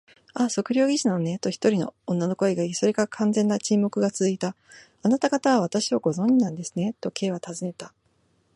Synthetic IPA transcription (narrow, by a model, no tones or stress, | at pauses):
aso̞kɯ̟ɾʲo̞ːɡʲiɕinanone̞t̪o̞çi̥t̪o̞ɾʲino̞̰õnːano̞ko̞eɡaiso̞ɾʲikakʰãnd͡zẽ̞nːat͡ɕimo̞kɯ̟ɡat͡sɨzɨit̪a | anat̪aɡat̪aβaβ̞at̪aɕiβaɡo̞zõ̞ɲ̟d͡ʑinãnd̪e̞sɨ̥ne̞t̪o̞kʰe̞ːβat̪azɨne̞t̪a